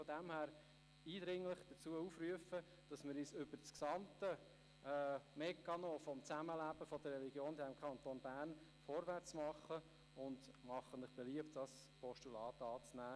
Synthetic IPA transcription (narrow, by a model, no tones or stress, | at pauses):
fɔdæmhæːɾ | iːd̥ɾɪŋlɪχd̪̥ət͡suəufɾyəfə | d̥ɑsmɪɾiːsʏb̥əɾt͡sksɑmtə | ɛmɛkːɑnofɔmt͡sæməlæb̥əfɔd̪ərːɛliɡjoːnd̪ɛmkʰχɑnt̪oːnbæːɾn | fɔɾʋæt͡smɑχːə | ʊndmɑχənlɪχb̥ɛliəptd̥ɑs | pʰɔʃtulɑːtɑːt͡snæː